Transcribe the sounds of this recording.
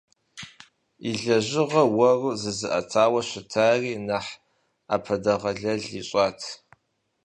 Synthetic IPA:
iɮɐʑɪʁɐwɐruzɨzɨʔɐtʰaːwɐɕʷɪtʰaːriːnɐħ | apʰɐdɐʁɐɮɐɮiɕʼɑːtʰ

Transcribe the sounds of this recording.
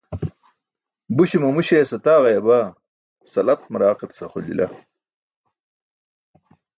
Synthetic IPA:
buɕimɐmuɕeːsɐt̪aːʁɐjɐbaː | sɐlɐt̪̚mɐɾaːqipsɐχolḭlʔɐ̰

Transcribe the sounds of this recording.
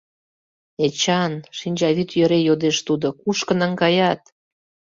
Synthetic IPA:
et͡ɕɑnʃinʲd͡ʑɑβyt̪jø̆ɾejod̪eʃt̪ud̪okuʃkə̆nə̆ŋɡɑjɑt̪̚

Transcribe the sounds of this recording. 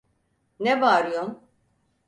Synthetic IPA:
nebaːɾjom

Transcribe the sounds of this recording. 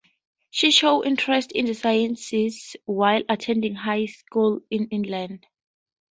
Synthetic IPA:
ʃiʃoʊʔĩntʰɹɛstḭ̃ndəsajɛ̃nsizwajlatʰɛ̃ndĩŋɦajskulĩnĩnlãnd

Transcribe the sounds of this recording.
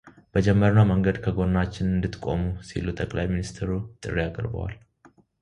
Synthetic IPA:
b̥əd͡ʒɛmːəɾnaməŋɡəd̪kʰəɡo̞nːat͡ʃːɪnɨnd̪ɨt̪ːkʼo̞̰musḭlut̪ʼəkʼla̰jminist̪ʰɾut̪ʼɨrːijakʼɨ̰ɾbə̰wa̰l

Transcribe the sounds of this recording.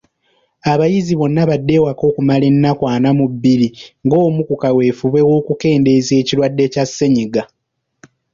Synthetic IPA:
aβajiziβo̞nːaβadːe̞wako̞ːkumale̞nːakwaːnamubːiliŋɡo̞ːmukukawe̞ːfuβwe̞wo̞ːkuke̞ːnde̞ze̞ːciɾwadːe̞casːeɲiɡa

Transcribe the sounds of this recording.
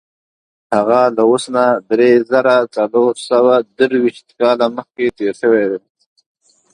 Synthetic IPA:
haɣalawosnad̪ɾezaɾat͡saloɾsawad̪əɾwiʃt̪̚kɑlaməxket̪eɾʃəwed̪e

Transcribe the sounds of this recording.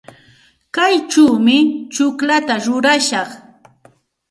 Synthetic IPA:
kajt͡ʃawmɪt͡ʃʊklat̪aɾʊɾaʃɑχ

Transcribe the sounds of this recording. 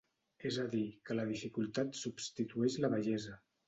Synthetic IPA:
ezəðikələðifikulˠt̪at̪subst̪it̪uɛʃləβəʒɛzə

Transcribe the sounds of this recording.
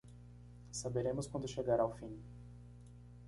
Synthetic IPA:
sabeɾẽmʊskwɐ̃nd̪ʊʃeɡaɾawfĩn

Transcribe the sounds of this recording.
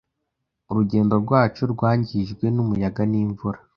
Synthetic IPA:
uɾuɟe̞ːndo̞ɾɡwaːt͡ʃoɾɡwaːɲɟiʒɡwe̞numujaɡaniːɱvuɾa

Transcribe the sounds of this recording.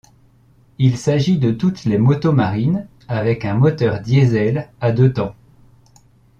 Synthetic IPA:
ilsaʒid̪ət̪ut̪lemɔt̪omaʁin | avɛkɛ̃mɔt̪œʁd̪jezɛlad̪øt̪ɑ̃

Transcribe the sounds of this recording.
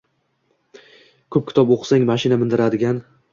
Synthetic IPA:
kʰɵp̚kʲʰɪ̥t̪ʰɒpoqʰsaŋmaʃɪnamɪnd̪ɪɾad̪ɪɡʲan

